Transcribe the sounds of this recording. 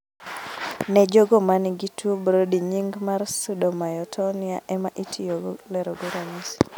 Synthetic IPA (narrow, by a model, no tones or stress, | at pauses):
nɛd͡ʒoɡɔmaniɡitʰuobɾodiɲiŋɡmarsudɔmajɔtʰɔnɪa̰ʔɛmaʔitʰijoɡɔlɛɾɔɡoɾamis